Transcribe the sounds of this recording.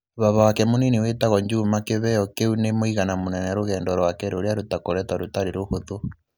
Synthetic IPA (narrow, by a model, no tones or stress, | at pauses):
βaβawakɛmoniniwetaɣɔɲd͡ʒumakeβɛɔkeunemoiɣanamonɛnɛɾoɣɛːndɔɾwakɛɾoɾeaɾotakoɾɛtaɾotaɾeɾohoðo